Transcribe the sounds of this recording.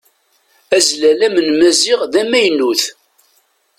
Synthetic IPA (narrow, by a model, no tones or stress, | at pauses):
æzlælæmənmæzɪʁðæmæjnuθ